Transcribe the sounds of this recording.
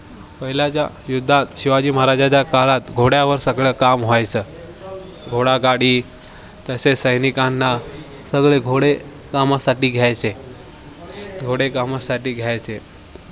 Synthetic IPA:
pəɦilat͡ɕja̰ | jud̪ʱːat̪ɕiʋad͡ʑiːmaɦaɾad͡ʑat͡ɕjakalat̪ɡʱoɽjaʋəɾsəɡɭəːkamɦoajt͡səː | ɡʱoɽaɡaɽiː | t̪əsesəjnikanːa | səɡɭeɡʱoɽe | kamasaʈiːɡʱjajt͡se | ɡʱoɽekamasaʈiːɡʱjajt͡se

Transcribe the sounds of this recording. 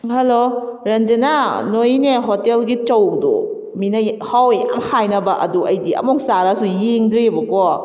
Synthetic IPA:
hɐloɾɐnd͡ʒenanojneɦotelɡit͡ʃɐwdṵ | minɐhawja̰mhajnɐbɐʔɐ̰duʔɐjdiɐ̰mok̚saɾasujeŋdɾebɐkɔ

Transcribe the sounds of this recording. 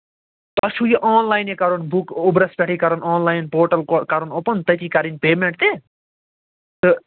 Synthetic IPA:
t̪ɐsʰujiʔɔːnlajnekɐɾonbʱukubɾɐspʲaʈʰikɐɾonɔːnlajnpoːʈɐlokɐɾonopɐnt̪ɐjt̪ikɐɾinpeːmeɳʈ̚t̪e | t̪ɨ

